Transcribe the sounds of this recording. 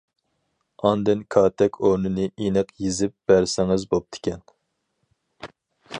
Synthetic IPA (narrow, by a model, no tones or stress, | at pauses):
ɑnd̪ɨnkʰɑːt̪ʰɛkʲoɾnɨnɨʔenɨqjizɪp̚b̥æɾsɪŋɪzbop̚t̪ʰɪ̥kʲʰɛn